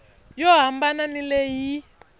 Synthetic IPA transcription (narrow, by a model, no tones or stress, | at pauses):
jɔɦambananileji